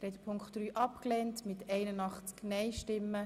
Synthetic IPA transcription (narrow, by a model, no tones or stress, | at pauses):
ɾɛt̪əpʰʊŋktd̥ɾyːʔɑpklɛntmɪtɛɪnənɑχt͡sknɛɪʃtɪmːə